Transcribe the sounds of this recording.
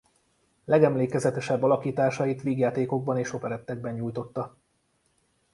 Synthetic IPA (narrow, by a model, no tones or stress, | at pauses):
lɛɡɛmleːkɛzɛt̪ɛʃɛbːɒlɒkiːt̪aːʃɒjit̪ʋiːɡjaːt̪eːko̞ɡ̚bɒneːʃo̞pɛɾɛt̪ːɛɡ̚bɛɲːuːjt̪o̞t̪ːɒ